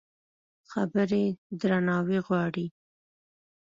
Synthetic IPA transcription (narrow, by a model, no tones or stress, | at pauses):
xabəɾed̪ɾanɑwiɣwɑɽi